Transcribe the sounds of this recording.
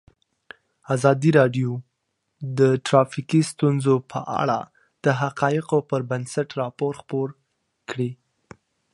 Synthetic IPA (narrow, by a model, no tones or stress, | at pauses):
azɑd̪iɾɑɖjo | d̪əʈɾɑfikist̪unzopʰə̰ʔa̰ɽa̰ | d̪̥əɦaqɑɪqopəɾbansaʈɾɑpoɾxpoɾ | kɽi